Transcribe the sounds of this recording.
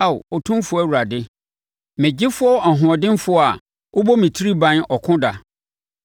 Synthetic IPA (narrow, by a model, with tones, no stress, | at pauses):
a˦˨ɔ˨tʰũ˦m˦fʊ˦æ˦˨wu˨ɾa˨dɪ˦ | mɪ̃˨d͡ʑɪ˦fʊ˦ɔ˦a˨ɦʊ̃˨ɔ˨dɪ̃˦n˦fʊ˦ɔ˦a˨ | wʊ˦bɔ˦mĩ˨tʰi˦ɾi˦bã˦nɔ˨kʰʊ̃˦da˨